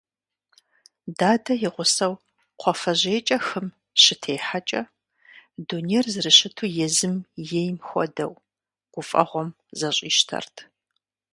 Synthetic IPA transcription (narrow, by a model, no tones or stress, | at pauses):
daːdɐjɪʁʷʊsɐw | qʷʰɔfɐʑeːt͡ʃʼɐxɨm | ɕɪtʰeːħat͡ʃʼɐ | dunejrzɨrɨɕɪtʰuːjɛzɨmjejmxʷɔ̰dɐ̰w | ɡ̥ʷʊfʼɐ̰ʁʷɔm | zɐɕʼiːʃtʰɐ̰rtʰ